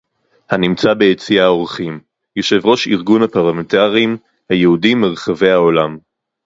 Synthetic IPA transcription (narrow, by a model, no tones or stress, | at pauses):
hanimt͡sabe̞jet͡siao̞ʁχim | jo̞ʃe̞vʁo̞ʃiʁɡunhapaʁlamentaʁim | hajehudimːeʁχave̞jhao̞lam